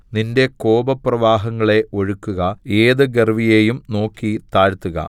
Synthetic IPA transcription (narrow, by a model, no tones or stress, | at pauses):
ninde̞ko̞ːbɐprɐʋaːɦɐŋːɐɭe̞ʔo̞ɻukːuɣɐe̞ːðɨɡerʋije̞ːjumno̞ːkːit̪aːɻt̪ːuɣɐ̰